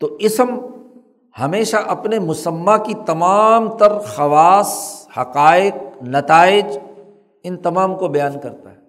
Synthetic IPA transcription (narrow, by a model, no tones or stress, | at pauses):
t̪oʔɪsm | hɐmeːʃaʔɐpnemʊsəmːakit̪ɐmaːmt̪ɐɾxɐʋaːshɐqaːɪq̚nɐt̪aːɪd͡ʒ | ɪnt̪ɐmaːmkobɐjaːnkɐɾt̪a̰ɦɛː